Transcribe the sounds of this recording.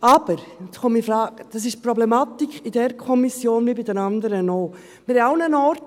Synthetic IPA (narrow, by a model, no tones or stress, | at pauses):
ɑb̥əɾχomifɾɑːɡd̪̥ɑs̬ɪʃpɾɔblɛmɑt̪ikid̥ɛɾkʰɔmisjoːnvibidɛnɑnd̪əɾənoː | mɪɾhɛalnənaːɾt